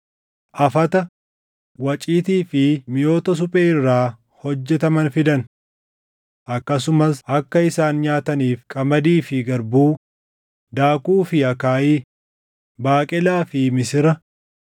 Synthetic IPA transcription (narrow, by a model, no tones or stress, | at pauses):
ʔɐfɐt̪ɐ | wɐt͡ʃʼiːt̪iːfɪmɪjo̞ːt̪ɐs̬ʊpʼeːɪrːaː | hɔd͡ʒːɛt̪ɐmɐnfɪd̪ɐn | ʔɐkːɐs̬ʊmɐsʔɐkːɐɪsaːnɲaːt̪ɐniːfkʼɐmɐd̪iːfɪɡɐɾbuː | d̪aːkuːfɪɐkaːʔiː | baːkʼɛlaːfɪmɪsɪɾɐ